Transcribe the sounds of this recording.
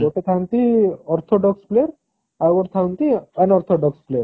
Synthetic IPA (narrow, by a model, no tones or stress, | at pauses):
oʈet̪ʰãwnt̪iɔɾt̪ʰɔɖɔkspleɾ | aɡɔɾt̪ʰãwnt̪iənɔɾt̪ʰɔɖɔkspleɾ